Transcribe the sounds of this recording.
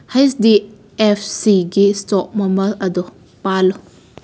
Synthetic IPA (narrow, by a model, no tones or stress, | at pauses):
hajsdi | epʰsiɡistɔk̚mɔmɐɾɐdɔ | palɔ